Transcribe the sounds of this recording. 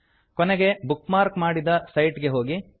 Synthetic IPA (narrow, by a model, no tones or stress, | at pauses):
kɔneɡe̞bukmaːɾkmaːɽid̪ɐsɐjʈɡe̞ɦo̞ːɡi